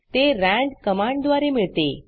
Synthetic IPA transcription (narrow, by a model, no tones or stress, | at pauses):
t̪eɾæ̃ɳɖkəmaɳɖ̚d̪ʋaɾemiɭt̪ḛ